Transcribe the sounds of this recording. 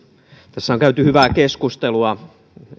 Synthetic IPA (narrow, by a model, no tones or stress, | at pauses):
t̪æsːæoŋkæyt̪yhyʋækeskust̪eluɑ